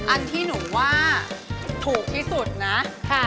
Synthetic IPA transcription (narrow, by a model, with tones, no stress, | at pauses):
ʔa˧nt̪ʰiː˥˩nu˩˦ŋwaː˥˩ | t̪ʰuː˨˩k̚t̪ʰiː˥˩su˨˩t̪̚na˦˥˧